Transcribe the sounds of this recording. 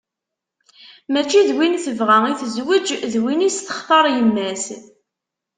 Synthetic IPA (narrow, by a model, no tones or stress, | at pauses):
mæt͡ʃːiðwinθəvʁæiθəzwəd͡ʒðwinist̪ə̥χt̪ˤɑɾˤjəmːæs